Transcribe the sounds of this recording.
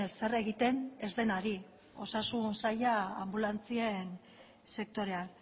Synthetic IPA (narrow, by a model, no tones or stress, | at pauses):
se̞re̞ɣit̪e̞ne̞zðe̞naɾi | o̞sasunsajaambulant͡sie̞n | se̞k̚t̪o̞ɾe̞an